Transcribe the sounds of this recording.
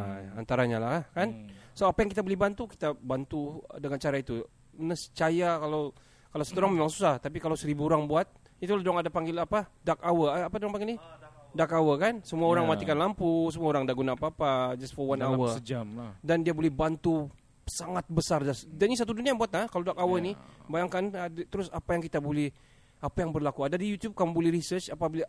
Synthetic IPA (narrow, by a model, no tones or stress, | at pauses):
aa̰nt̪aɾaɲalahkansoapajaŋkit̪abolɛhbant̪uki̥t̪abant̪udəŋant͡ʃaɾait̪u | ənəst͡ʃajakalaw | kalawsət̪oɾaŋmemaŋsusaht̪ap̬ikalawsəɾibuːɾaŋbuat̪̚ | it̪ulahdoaŋadapaŋɡilapadakawəːpadoaŋpaŋɡilnidakawəkansəmuaoɾaŋmat̪ikanlampusəmuaoɾaŋdaʔɡunaːpaːpad͡ʒasfəwanawəəd͡ʒamdandiabolɛhbant̪u | saŋat̪̚bəsardadanis̬at̪̬uduniajbuat̪̚nakaladakawənibajaŋkant̪əɾʊsapajaŋkit̪abolɛh | apajaŋbərlakuadadijut̪jub̚kamubolɛhɾisərt͡ʃapabilɛ